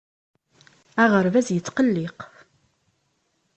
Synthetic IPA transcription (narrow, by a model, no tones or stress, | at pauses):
æʁəɾvæzjət͡sːqəlːɪq